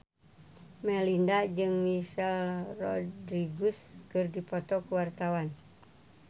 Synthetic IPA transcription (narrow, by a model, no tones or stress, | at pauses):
mɛlindad͡ʒɨŋmisɛlrɔdɾiɡuskɨrdipɔt̪ɔkuwart̪awan